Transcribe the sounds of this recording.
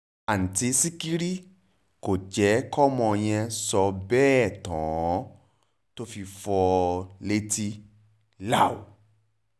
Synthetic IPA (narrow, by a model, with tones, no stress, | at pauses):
a˨n̩˨ti˧˦si˦ki˦ɾi˦ | ko˨d͡ʒɛ˨˦kɔ˦mɔ̃˧j̃ɛ̃˧sɔ˨˧˦bɛː˦˨tɔ̃˨˦ | to˦fi˧fɔ˧le˧ti˧ | la˦˨u˨